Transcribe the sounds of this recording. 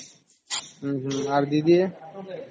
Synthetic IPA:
ɦ̩ɦ̩aɾd̪id̪ie

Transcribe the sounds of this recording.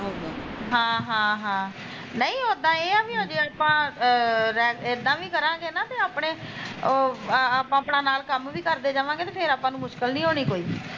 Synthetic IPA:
oɦãːɦãːɦãː | nəĩːɦoːd̪ãːeːaʋĩːɦõːd͡ʒeːaːpãː | ɾɛːɪd̪ãːʋiːkəɾãːɡeːnãːt̪eːaːpɳeː | aːpãːpɳãːnaːlkəmʋiːkəɾd̪eːd͡ʒaːʋãːɡeːt̪eːpʰɪɾaːpãːnũːmʊʃkəlnĩːɦoːniːkoːiː

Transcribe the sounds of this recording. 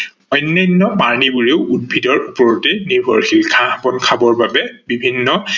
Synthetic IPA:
ɔjnːajnːɔpaɹnibuɹeʊʔud̚bʱidɔɹupɔɹɔtɛnibʱɔɹxilkʰabɔnkʰabɔɹbabɛbibʱinːɔ

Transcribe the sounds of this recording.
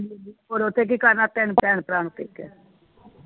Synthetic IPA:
d͡ʒioːɾot̪ʰːek̬ikaɾnat̪ɛːnpɛːnpɾaːnt̪ḛkɛ

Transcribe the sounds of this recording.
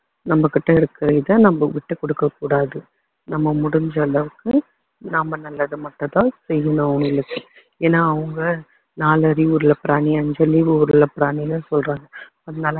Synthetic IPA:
nɐmːɐkːɪʈːɐɪɾɯkːɪɾɐðɐ̃ːnɐmːbɐʋɪʈːɯkɔɽɯkːɐkuːɽaːðɯ | nɐmːɐmʊɽʊɲd͡ʒɐːɭɐʋɯkːɯ | nɐmːɐnɐlːɐðɯmɐʈːɐ̃t̪ãːsɛjːɐnʊ̃ɐʋɐŋɡɐɭɯkːɯ | eːnːaːʋɐŋɡɐ | naːlɐɾiʊɾɯlɐpɾaːniɐɲd͡ʒɐliʋɯʊɾɯlɐpɪɾaːnilãːsɔlɾaːŋɡɐ | ɐðɐnaːlɐ

